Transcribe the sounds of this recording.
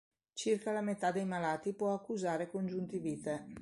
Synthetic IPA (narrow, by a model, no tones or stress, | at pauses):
t͡ʃirkalamet̪ad̪ejmalaːt̪ipwɔakːuzaːɾekond͡ʒunt̪iviːt̪e